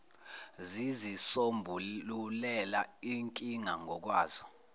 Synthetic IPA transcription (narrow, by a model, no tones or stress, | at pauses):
zizisombʱuulɛlaiŋkʼiŋaŋʱɔk̬waːz̥ɔ̥